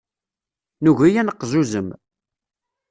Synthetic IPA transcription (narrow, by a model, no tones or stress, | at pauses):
nuʝijænəqːzuzəm